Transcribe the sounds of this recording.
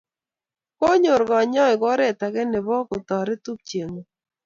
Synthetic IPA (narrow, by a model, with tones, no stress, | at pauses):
ko˦ɲo˨ɾɡɔ˨ɲɔ˦ɪ˨ɡɔ˦ɾɛ˦˨ta˨ɡɛ˦nɪ˨βɔ˦kʊ˨t̪ɔ˨ɾɪ˦tu˦k̚t͡ʃje˨ŋo˨